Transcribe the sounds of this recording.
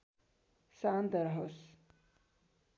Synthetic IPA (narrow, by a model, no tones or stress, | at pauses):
saːnd̪ɐɾɦos